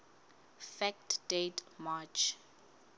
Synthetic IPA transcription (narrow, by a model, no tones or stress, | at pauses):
fɛk̚tdetmat͡ʃ